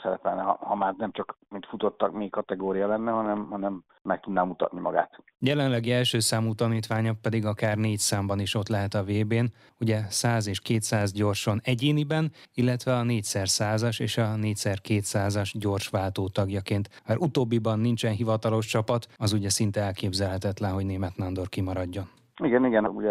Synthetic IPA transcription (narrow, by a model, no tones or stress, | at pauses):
sɛɾɛpɛlnɛɦɒ̰hɒmaːrnɛmt͡ʃɒkmint̪fut̪ot̪ːɒkmeːkːɒt̪ɛɡoːɾijɒlɛnːɛɦɒnɛmhɒnɛmː | ɛk̚t̪ud̪naːmut̪ɒ̰t̪̚nimɒ̰ɡa̰ːt̪ | jɛlɛnlɛɡiɛlʃøːsaːmuːt̪ɒniːt̪ʋaːɲɒpːɛd̪iɡɒkaːrneːcsaːmbɒniʃo̞t̪lɛɦɛt̪ɒveːbeːn | uɟɛsaːzeːʃkeːt̪saːzɟo̞rʃo̞nɛɟeːnibɛnilːɛt̪ʋɛɒneːcsɛrsaːzɒʃeːʃɒneːcsɛrkeːt̪saːzɒʒɟoːrʃʋaːlt̪oːt̪ɒɡjɒkeːnt̪maːɾʔut̪oːbːibɒnːint͡ʃɛnɦivɒt̪ɒlo̞ʃt͡ʃɒpɒt̪ɒzuɟɛsint̪ɛɛlkeːbzɛlɦɛt̪ɛt̪lɛnɦo̞ɟneːmɛt̪nɒnd̪o̞rkimɒɾɒɟːo̞n | iɡɛniɡɛnuɟɛ